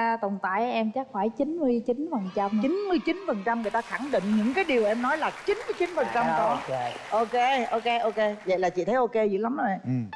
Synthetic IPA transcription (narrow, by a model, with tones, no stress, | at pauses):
a˧t̪o˨˩nt̪a̰ː˧˩jʔɛ˧mt͡ɕaː˦˥k̚faː˧˩jt͡ɕi˨˦nmɨ˧əjt͡ɕi˨˦nfə˨˩nt͡ɕa˧mt͡ɕi˨˦nmɨ˧əjt͡ɕi˨˦nfə˨˩nt͡ɕa˧mŋɨ˨˩əjt̪aː˧xa˧˩ŋɗḭ̈˧˨ŋ̟ɲɨ̰˧˥ŋkaː˨˦jɗi˨˩əwʔɛ˧mnɔ˨˦jlaː˨˩t͡ɕi˨˦nmɨ˧əjt͡ɕi˨˦nfə˨˩nt͡ɕa˧mkɔ˧˨˦ʔo˧ke˧ʔo˧ke˧ʔo˧ke˧və̰˧˨jlaː˨˩t͡ɕḭ˧˨t̪ʰə˨˦jʔo˧ke˧zḭ˧˦la˨˦mə˨˧˦ɛ˧˨